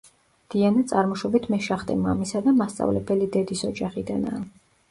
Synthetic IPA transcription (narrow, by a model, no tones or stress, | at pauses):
d̪̥ianat̪sʼaɾmɔʃɔbit̪ʰmɛʃaχt̪ʼɛ̰ma̰misad̪amast̪sʼa̰vlɛbɛlid̪ɛd̪isɔd͡ʒaχid̪anaː